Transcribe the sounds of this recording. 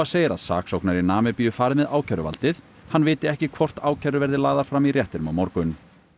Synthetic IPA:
aseːjɾa̰ðsa̰ːksowknaɾinaːmɪpijʏfaːɾɪmɛðaːwcʰaɾʏa̰lt̪ɪθ | hanːvɪːt̪ɪɛhcɪkʰvɔr̥t̪aːwcʰajɾʏvɛɾðɪlaːðaɾ̥fɾamirjɛht̪ɪɾmawmɔɾkʏn

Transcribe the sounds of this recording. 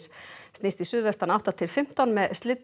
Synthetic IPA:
sst̪ist̪isʏːðvɛst̪anawht̪at̪ʰɪlfɪm̥t̪anmɛðst̪lɪt̪

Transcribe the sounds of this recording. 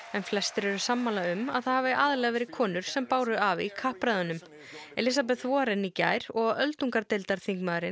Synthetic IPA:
ɛnflɛst̪ɪɾɛɾʏsamːalaʏma̰ðθaðhavɪʔaːðɪlɛːɣavɛːɾɪðkʰɔːnʏɾ̥sɛmpaːwɾʏavikʰahpɾaðʏnʏm | ɛlɪs̬ap̬ɛðθvɔːɾɛnːica̰ːjɾ̥ɔɣœlt̪uŋkaɾt̪ɪlt̪aɾ̥θiŋkmaðɾɪ

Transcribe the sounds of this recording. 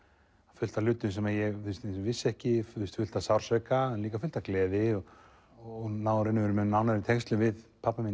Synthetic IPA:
afʏl̥t̪alʏːt̪ʏnsɛmajɛɣθʏst̪svɪsːɛhcɪʏst̪fʏl̥t̪asawɾ̥sɛkaɛnliːkafʏl̥t̪aklɛːðɪɔ | ɔnaːwɾɪnːʏvɛɾmɛnawnaɾɾt̪ʰɛŋst̪lɪvɪðpʰapːamiːn

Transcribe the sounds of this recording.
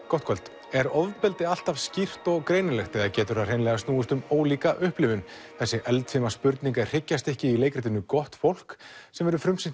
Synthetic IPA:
kɔwht̪kʰɔlt̪ | ɛɾɔðpɪlt̪ɪal̥t̪avscir̥t̪ɔɣkɾeːjnʏlɛxt̪ɛɣðacɛːt̪ʏɾar̥ejnlɛɣast̪nuːʏst̪ʏmoːwliːkaʔʏhplɪvʏn | θɛsːɪʔɛlt̪fɪmaspʏɾt̪niŋkar̥ɪcːast̪ɛhcɪilejkɾɛht̪ɪnʏkɔht̪fowl̥ksɛmvɛɾʏfɾʏmsɪn

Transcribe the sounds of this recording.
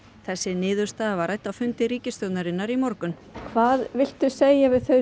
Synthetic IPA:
θɛsːɪnɪːðʏɾ̥st̪aːðavaɾajt̪awfʏnt̪ɪɾiːcɪst̪œwt̪naɾɪnːaɾimɔɾkʏn | kʰvaːðvɪl̥t̪ʏseːjavɪðθœɥ

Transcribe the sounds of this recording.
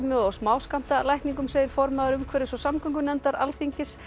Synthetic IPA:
mʏɔɣsmaːwskam̥t̪alajhniŋkʏmseːjɪɾ̥fɔɾmaðaɾʏmkʰvɛːɾɪsvɔsamkʰʏŋkʏnɛnt̪aɾa̰lθiɲcɪs

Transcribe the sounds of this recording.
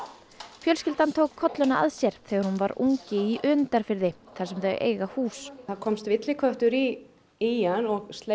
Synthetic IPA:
fjœlscɪlt̪ant̪ʰowkʰːɔt̪lʏnaʔa̰ðsjɛɾ̥θɛːɣaɾhunvaɾṵŋcɪiʔʏnt̪aɾ̥fɪɾðɪ | θaɾsɛmθœjʔḛːjɣahuːsaɾkʰɔmst̪vɪt̪lɪkʰvœht̪ʏɾi | ijanɔɣst̪le

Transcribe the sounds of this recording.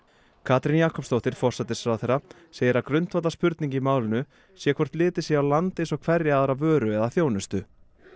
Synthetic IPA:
kʰaːt̪ɾɪnjaːkʰɔpst̪owht̪ɪɾ̥fɔr̥sat̪ɪsfɾawθeɾa | seːjɪɾakɾʏn̥t̪vat̪laspʏɾt̪niɲcɪimaːwlɪnʏ | sjɛkʰvɔr̥t̪lɪːt̪ɪsjɛawlant̪ɪsɔɣkʰv̥ɛrjɪaðaɾavœːɾʏɛðaθjoːwnʏst̪ʏ

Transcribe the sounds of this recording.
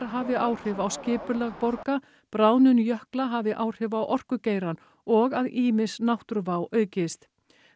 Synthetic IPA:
ɾɦavɪʔaːwr̥ɪvawscɪːpʏlɛɣpɔɾka | pɾaːwnʏnjœhklaɦavɪʔaːwr̥ɪvawʔɔr̥kʏceːjɾan | ɔɣaðiːmɪsnawht̪ʏɾvaːwʔœːɥcɪst̪

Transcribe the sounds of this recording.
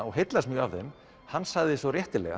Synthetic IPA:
ɔɣɦejt̪lasmjʏːavðɛn | hanːsaɣðɪsvɔrjɛht̪ɪlɛ̰ɣa̰

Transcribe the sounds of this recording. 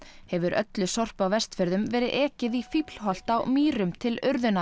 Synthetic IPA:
hɛvʏɾʔœ̰t̪lʏsɔr̥pawvɛst̪fɪɾðʏmvɛːɾɪðʔɛːcɪðifipl̥ɦɔl̥t̪awmiːɾʏmt̪ʰɪlʏɾðʏna

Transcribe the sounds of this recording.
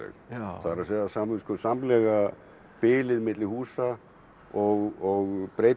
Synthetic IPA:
ɛ̰kθaðɾasɛðasamskɔsamlɛɣa | pɪːlɪðɪmɪt̪lɪhuːsa | ɔɣɔɣpɾeːj

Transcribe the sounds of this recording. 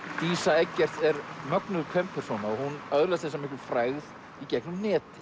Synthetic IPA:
t̪iːsaɛcːɛr̥t̪ɛɾmœknʏɾkʰvɛmpʰːɛɾ̥sɔːnaɔhunœðʏlɛst̪θɛs̬amɪhklʏfɾaːɣð | icɛknʏmnɛːt̪ɪ̥

